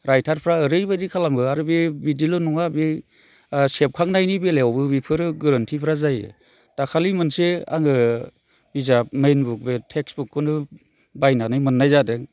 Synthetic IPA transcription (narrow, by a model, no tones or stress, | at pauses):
ɾajtʰaɾpʰɾaɯɾɯjbadikʰalamɡɯaɾɯbibidilonɔŋabi | sep̚kʰaŋnajnibeleawbɯbipʰɯɾɯɡɯɾantʰipʰɾazaj | d̥akʰalimɯnsea̰ŋɯ | bizap̚mejnbuk̚betʰeksbukʰːɯnɯ | bajnanɯjmɯnːajzadeŋ